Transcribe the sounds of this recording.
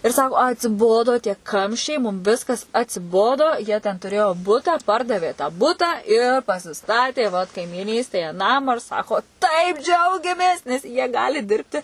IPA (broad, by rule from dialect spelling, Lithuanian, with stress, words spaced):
ɪr ˈsɑːkoː ɐtʲsʲɪˈboːdoː tʲiɛ ˈkɐmʲʃʲt͡ʃʲɛɪ mʊm ˈʋʲɪskɐs ɐtʲsʲɪˈboːdoː jiɛ tʲɛn tʊˈrʲeːjoː ˈbʊtɐ ˈpɐrdɐʋʲeː tɑː ˈbʊtɑː ɪ pɐsʲɪˈstɑːtʲeː ʋɐt kɐɪmʲiːˈnʲiːsʲtʲeːjɛ ˈnɑːmɑː ɪr ˈsɑːkoː tɐɪp ˈd͡ʒʲɛʊɡʲɛmʲeːs nʲɛs jiɛ ˈɡɑːlʲɪ ˈdʲɪrʲpʲtʲɪ